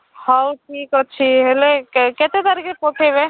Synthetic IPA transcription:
hawʈʰiːkətːʃʰiɦeleket̪et̪aɾikepoʈʰeʋe

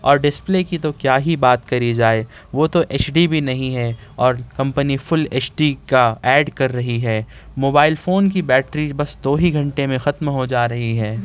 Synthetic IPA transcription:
ɔːɾɖɪspleːkit̪okjaːɦibaːt̪kɐɾid͡ʒaːe | ʋoːt̪oʔeːt͡ʃɖibʱinɐɦĩɦɛː | ɔːɾkɐ̃mpənifʊleːt͡ʃɖikaɛːɖkɐɾːɐɦiɦɛː | moːbaːɪlfoːnk̬ibɛːʈɾibɐsd̪oːɦiɡʱɐ̃ɳʈemẽxɐt̪mɦod͡ʒaːɾɐɦiɦɛː

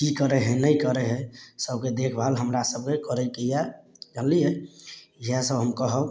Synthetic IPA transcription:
kikəɾeɦɛnəjkəɾeɦɛsəbked̪ekʰbʱaəlɦəmɾasəb̚kekəɾɛkejad͡ʒalije | iɦɛsəbɦəmkəɦəb

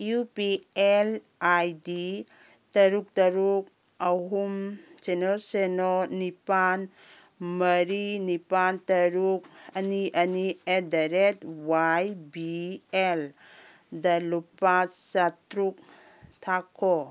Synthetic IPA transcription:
jupiel | ajdi | tɐɾuk̚tɐɾuk̚ | ɐɦumsenɔsenonipan | mɐɾinipantɐɾuk̚ɐniʔɐniedaɾet̚wajbiel | dɐlupasatɾuk̚ | tʰakʰːɔ

